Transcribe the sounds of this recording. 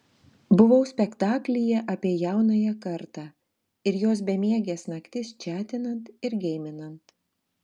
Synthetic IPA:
bʊʋɐʊsʲpʲɛkt̪ɑːklʲɪjɛʔɐpʲiɛjæˑʊnɐjɛkɐɾt̪ɑː | ɪɾjoːs̬bʲɛmʲiɛɡʲesnɐkt̪ʲɪst͡ʃʲæːt̪ʲɪnɐnt̪ɪɾɡʲɛɪmʲɪnɐnt̪

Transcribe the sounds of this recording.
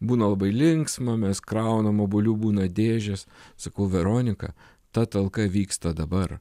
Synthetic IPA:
buːnɐlˠɐbɐɪlʲɪŋksmɐmʲɛskɾɐʊnɐmobʊlʲuːbuːnɐd̪ʲeːʒʲɛssɐkɐʊʋʲɛɾoːnʲɪkɐ̰ | t̪ɐt̪ɐlˠkɐʋʲiːkst̪ɐd̪ɐbɐr

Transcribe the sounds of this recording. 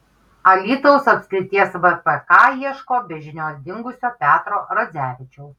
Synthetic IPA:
ɐlʲiːt̪oʊsɐpʲskɾʲɪt̪ʲiɛsʋɛpɛkɑːiɛʃkoːbʲɛʒʲɪnʲoːsd̪ʲɪŋɡʊsʲoːpʲæːt̪ɾoːɾɐzʲæːʋʲɪt͡ʃʲɛʊ

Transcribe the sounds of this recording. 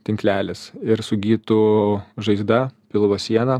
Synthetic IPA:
t̪ʲɪŋklʲæːlʲɪsɪɾsʊɡʲiːt̪uʒɐɪzd̪ɐpʲɪlˠʋɐsʲiɛnɐ

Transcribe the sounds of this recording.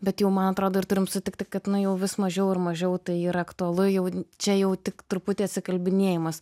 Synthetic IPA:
bʲɛt̪jɛʊmɐnɐt̪ɾoːd̪oːɪrt̪ʊɾʲɪmsʊt̪ʲɪk̚t̪ʲɪkɐt̪nʊjɛʊʋʲɪsmɐʒʲɛʊɪrmɐʒʲɛʊt̪ɐɪiːɾɐɐkt̪ʊɐlˠʊjɛʊt͡ʃʲɛjɛʊt̪ʲɪkt̪ɾʊpʊt̪ʲeːɐt̪ʲsʲɪkɐlʲbʲɪnʲeɛjɪmɐs

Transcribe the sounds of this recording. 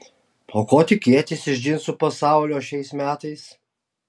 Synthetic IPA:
oːkoːt̪ʲɪkʲeɛt̪ʲɪsɪʒʲd͡ʒʲɪnsʊpɐsɑˑʊlʲoːʃʲɛɪsmʲæːt̪ɐɪs

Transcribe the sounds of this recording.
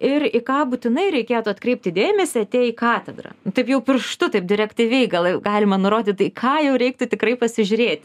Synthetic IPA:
ɪrɪkɑːbut̪ʲɪnɐɪɾʲɛɪkʲeːt̪ʊɐt̪kɾʲɛɪp̚ʲt̪ʲɪd̪ʲeːmʲɛsʲɪɐt̪ʲeːjikɑːt̪ʲɛd̪ɾɐ̰nʊt̪ɐɪpjɛʊpʲɪrʃt̪ʊt̪ɐɪp̚d̪ʲɪɾʲɛkt̪ʲiʋʲɛɪɡɐlˠɡɑːlʲɪmɐnʊɾoːd̪ʲɪtt̪ɐɪkʰɑːjɛʊɾʲɛɪk̚t̪ʊt̪ʲɪkrɐɪpɐsʲɪʒʲʊɾʲeːt̪ʲ

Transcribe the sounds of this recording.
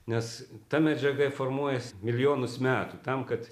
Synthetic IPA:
nʲɛst̪ɐmʲɛd͡ʒʲɛɡɐɪformuɔjɛsmʲɪlʲɪjoːnʊsmʲæːt̪ut̪ɐmkɐt̪

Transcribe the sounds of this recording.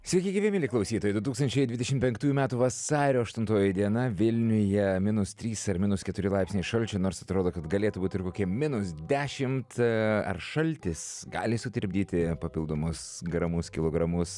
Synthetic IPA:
sʲɛɪkʲɪɡʲiʋʲɛmʲɪːlʲɪklˠɐʊsʲiːt̪oːjɛd̪ʊt̪uːkst̪ɐnʲt͡ʃʲɛɪd̪ʲʋʲɪd̪ʲɛʃʲɪmtʲpʲɛŋk̚t̪uːjumʲæːt̪uːʋɐsɑːɾʲoːɐʃt̪ʊnt̪oːjɪd̪ʲiɛnɐʋʲɪlʲnʲʊjɛmʲɪnʊst̪ʲɾʲiːsɐɾmʲɪnʊskʲɛt̪ʊɾʲɪlˠɑɪpʲsʲnʲɛɪʃɐlʲt͡ʃʲɛnoːɾsɐt̪ɾoːd̪oːkɐt̪ɡɐlʲeːt̪ʊbuːt̪ʲɪɾkoːkʲiɛmʲɪnʊsd̪ʲæːʃʲɪmt̪ɐ̰rʃɐlʲt̪ʲɪsɡɑ̰ːlʲɪsʊt̪ʲɪɾʲbʲd̪ʲiːt̪ʲɪpɐpʲɪlˠd̪oːmʊsɡɾɐmʊskʲɪlˠoːɡɾɐmʊs

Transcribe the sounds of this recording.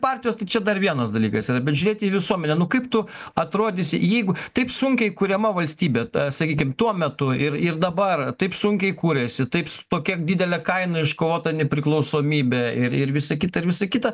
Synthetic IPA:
pɑːrʲt̪ʲɪjoːst̪ɐɪt͡ʃʲɛd̪ɐrʋʲiɛnɐsd̪ɐlʲiːkɐsiːɾɐbʲɛt̪ʒʲʊɾʲeːt̪ʲiːʋʲɪsuɔmʲɛnʲɛnʊkɐɪpt̪ʊɐt̪ɾoːd̪ʲɪsʲɪjɛɪɡʊt̪ɐɪpsʊŋʲkʲɛɪkuɾʲɛmɐʋɐlʲsʲt̪ʲiːbʲɛːsɐkʲiːkʲɪmt̪uɔmʲɛt̪ʊɪrɪrd̪ɐbɐrt̪ɐɪpsʊŋʲkʲɛɪkuːɾʲɛsʲɪt̪ɐɪpst̪oːkʲɛd̪ʲid̪ʲɛlʲɛkɐɪnɐɪʃkoːʋoːt̪ɐnʲɛpʲɾʲɪklˠɐʊsoːmʲiːbʲɛɪɾɪɾʋʲɪsɐkʲɪt̪ɐɪɾʋʲɪsɐkʲɪt̪ɐ

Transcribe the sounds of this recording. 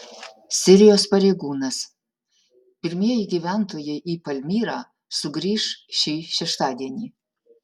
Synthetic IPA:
sʲɪɾʲɪjoːspɐɾʲeːɡuːnɐs | pʲɪɾʲmʲiɛjiɡʲiʋʲænt̪ʰoːjɛɪʔiːpɐlʲmʲiːɾɑː | sʊɡɾʲiːʂʃʲiːʃʲɛʃt̪ɑːd̪ʲiɛnʲiː

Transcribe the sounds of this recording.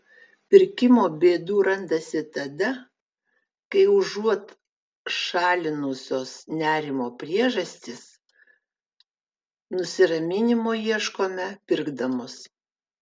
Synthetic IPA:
pʲɪɾʲkʲɪmoːbʲeːd̪uːɾɐnd̪ɐsʲɪt̪ɐd̪ɐ | kɐɪʊʒuɔt̪ | ʃɑːlʲɪnʊsʲoːsnʲæːɾʲɪmoːpʲɾʲiɛʒɐsʲt̪ʲɪs | nʊsʲɪɾɐmʲɪnʲɪmoːjiɛʃkoːmʲɛpʲɪɾɡd̪ɐmʊs

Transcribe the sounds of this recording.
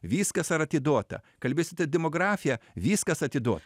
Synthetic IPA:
ʋʲiːskɐsɐɾɐt̪ʲɪd̪oɔt̪ɐ̰kɐlʲbʲeːsʲɪt̪ʲɐd̪ʲɛmoːɡɾɑːfʲɪjɛʋʲiːskɐsɐt̪ʲɪd̪oɔt̪

